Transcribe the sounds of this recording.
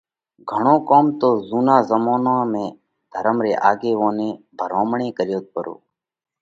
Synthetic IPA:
ɡʱəɳ̃õːkoːmt̪oːzuːnãːzəmoːnãːmẽː | d̪ʱəɾəmɾeːʔaːɡeːʋõːnẽː | bʱəɾoːmɳẽːkəɾjoːt̪̚pəɾo̰ː

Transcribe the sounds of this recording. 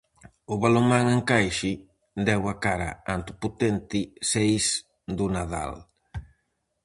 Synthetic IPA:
ʊβalomaŋeŋkajʃɪ | d̪ɛwakaɾa̰ant̪ʊput̪ɛnt̪ɪsejs | d̪ʊnaða̰l

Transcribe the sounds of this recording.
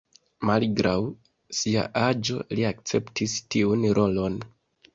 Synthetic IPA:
malɡɾʔaw | sia̰ʔad͡ʒo̞̰liak̚t͡se̞ptistiunɾʔo̞lo̞n

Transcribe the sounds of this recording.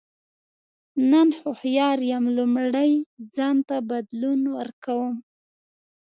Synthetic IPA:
nanhʊhjɑɾjamlʊmɽəjd͡zɑnt̪abad̪lunwəɾkawəm

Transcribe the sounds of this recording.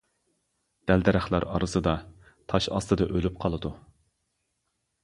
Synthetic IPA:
d̪̥æld̪ɛɾæχlˠɑɾɑ̰ɾɨsɨd̪ɑ | t̪ʰɑʃɑst̪ɨd̪ɑʔølyp̚qʰɑlˠɨd̪u

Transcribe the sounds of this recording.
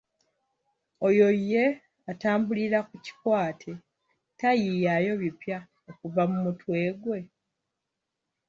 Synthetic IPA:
o̞jo̞jːe̞ | ataːmbuliɾakuci̥kwaːtʰe | tajijajo̞βipja | okuvamumutwe̞ːɡwe̞

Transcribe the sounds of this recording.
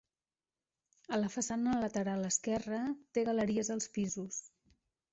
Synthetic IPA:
ələfəsanələt̪əɾalˠəskɛrət̪eɣələɾiəzəlˠspizus

